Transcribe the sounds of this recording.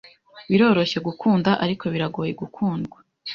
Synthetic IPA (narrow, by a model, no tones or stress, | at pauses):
βiɾo̞ːɾo̞çe̞ɡukʰuːndaʔaɾikʰo̞βiɾaɡo̞ːje̞ɡukʰuːndɡwḁ